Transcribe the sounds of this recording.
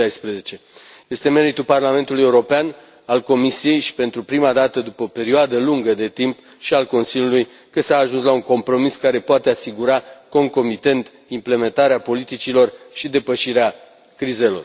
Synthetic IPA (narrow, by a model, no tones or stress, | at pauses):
ajspɾezet͡ʃe̞ | je̞st̪e̞me̞ɾit̪uparlame̞nt̪uluje̞uɾo̞pean | alko̞misije̞jʃi̥pe̞nt̪ɾupɾimad̪at̪əd̪upəope̞ɾioad̪əluŋɡəd̪e̞t̪imp | ʃialko̞nsiljuluj | kəsaːʒunslauŋko̞mpɾo̞miskaɾe̞poat̪e̞asiɡuɾako̞ŋko̞mit̪e̞nt̪ | imple̞me̞nt̪aɾeapo̞lit̪it͡ʃilo̞rʃid̪e̞pəʃiɾea | kɾize̞lo̞̰r